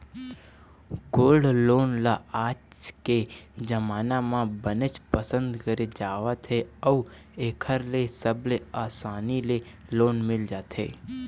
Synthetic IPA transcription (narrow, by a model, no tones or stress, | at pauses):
ɡolɖlonlaat͡ʃked͡ʒəmanamãbənet͡ʃpəsənd̪kəɾed͡ʒaʋat̪ʰeəu | ekʰəɾlesəbleasanilelonmɪld͡ʒat̪ʰḛ